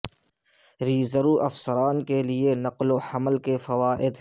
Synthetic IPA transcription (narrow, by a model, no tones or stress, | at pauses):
ɾiːzəɾuːʔɐfsəɾaːnkelienɐqlohɐməlkefɐʋaːʔɪd̪